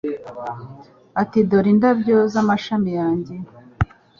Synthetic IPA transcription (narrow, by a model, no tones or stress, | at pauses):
atidoɾindabɟo̞zamaʃamijaːɲɟe̞